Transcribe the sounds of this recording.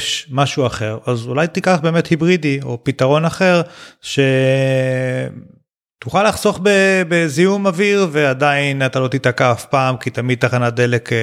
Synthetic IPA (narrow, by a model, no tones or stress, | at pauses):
ʃmaʃuaχe̞ʁazulajt̪ikaχbe̞ːmethibʁid̪io̞pit̪aʁo̞naχe̞ʁʃe̞ | t̪uχalaχso̞χbebezijumaviʁveadainat̪alo̞t̪it̪akaːfpaːmkit̪amid̪̚t̪aχanad̪elek